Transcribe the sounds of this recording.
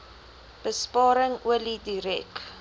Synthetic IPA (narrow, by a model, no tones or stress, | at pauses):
b̥əspɑːɾəŋuəlidiɾɛk